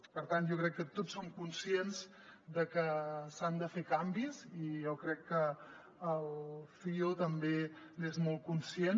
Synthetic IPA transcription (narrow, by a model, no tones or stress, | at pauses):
pəɾt̪ant̪ʒowkɾɛkːət̪otsːomkunsienz | d̪əkəsand̪əfekambizijɛwkɾɛkːəː | lˠfiot̪əmbe | nezmɔlˠkunsien